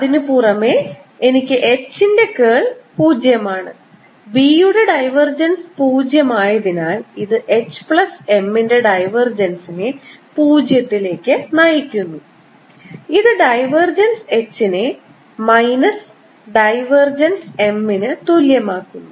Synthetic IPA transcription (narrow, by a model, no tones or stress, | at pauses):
ɐðinɨpuːrɐmeenikʲːɨʔet͡ɕːinde̞keːɭpuːd͡ʑjɐmaːɳɨ̰ | bijuɽeɖɐjʋɐrd͡ʑɐnspuːd͡ʑjɐmaːjɐðinaːliðɨʔe̞t͡ɕːɨ̥pɭɐse̞mːinde̞ɖɐjʋɐrd͡ʑɐnsinepuːd͡ʑjɐt̪ːile̞ːkʲːɨnɐjikʲːunːu | iðɨɖɐjʋɐrd͡ʑɐnse̞t͡ɕːinɨ | mɐjnɐs | ɖɐjʋɐrd͡ʑɐnse̞mːinɨt̪uljɐmaːkːunːu